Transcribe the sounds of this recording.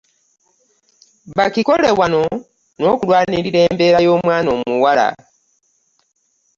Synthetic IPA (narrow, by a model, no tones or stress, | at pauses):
βakiko̞le̞βwano̞ | no̞kulwaːniɾiɾe̞ːmbe̞ːɾajo̞ːmwaːno̞ːmuwala̰